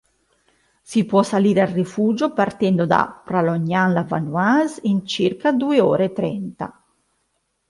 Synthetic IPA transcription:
sipːwɔsaliːɾealːifuːd͡ʒopart̪ɛnd̪od̪a̰pɾaloɲːanlava̰nuazint͡ʃirkad̪ueɔ̰ːɾet̪ːɾɛnt̪a̰

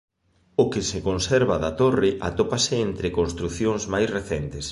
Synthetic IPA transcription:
okɪsekonsɛɾβaðat̪orɪʔa̰t̪opasɪent̪ɾekonst̪ɾuθjoŋzmajsreθɛnt̪es

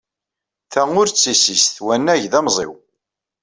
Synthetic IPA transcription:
θæʊɾt͡sːisisθwænːæʝðæmzˤḛw

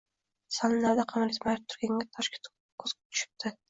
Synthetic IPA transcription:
salˠɪnaɾd̪aqʰɑmalit̪maɾɪpt̪ʰʊ̥ɾɡʲaŋɡʲat̪ʰɒʃkʲɪ̥t̪ | kʰːɵzkt̪ʰʊ̥ʃɪ̥p̚t̪ʰɪ

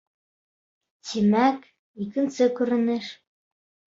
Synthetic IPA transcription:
t͡ɕimæk | ikɘ̆nsɘ̆kuɾɘ̆nɘ̆ʃ

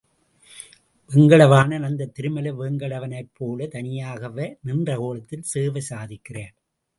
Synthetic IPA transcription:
ʋɛŋɡɐɭɐʋaːnɐnɐnd̪ɐt̪ːɪɾɯmɐlɐʋɛŋɡɐɭɐʋɐnɐɪpʰːoːlɐt̪ɐnɪjaːɣɐʋenɪndrɐkoːlɐt̪ːɪlseːʋɐsaːðɪkːɪreːn

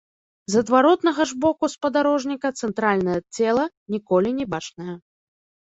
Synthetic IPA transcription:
zɐd̪vaɾɔt̪nɐɣɐʐbɔkuspɐd̪aɾɔʐnʲikɐt̪sɛnt̪ɾalʲnɐjɐt͡sʲɛlˠɐ | nʲikɔlʲinʲɛbat͡ʂnɐjɐ

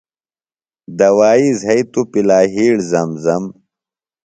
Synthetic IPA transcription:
d̪ɐwaːizɦɐjt̪upilaːɦiːɽzɐmzɐm

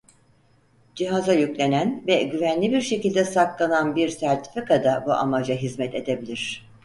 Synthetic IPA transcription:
d͡ʒiɦazajycʲlʲe̞nænvɛɟyvænlʲibiɾʃe̞cilʲd̪ɛsaklˠananbiɾsæɾt̪ʰi̥fikad̪abuʔamad͡ʒaɦizmɛt̪ʰe̞d̪e̞bilʲiɾ̝̥

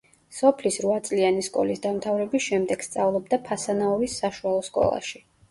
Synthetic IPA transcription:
sɔpʰlisɾvat̪sʼlianiskʼɔ̰lisd̪amt̪ʰavɾɛbisʃɛmd̪ɛɡ̥st̪sʼavlˠɔb̚d̪apʰasanaɔvisːaʃualˠɔskʼɔ̰lˠa̰ʃi̥

